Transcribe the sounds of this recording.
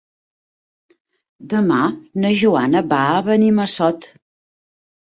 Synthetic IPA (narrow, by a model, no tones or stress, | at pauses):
d̪əmanəʒuanəβaəβəniməsɔt̪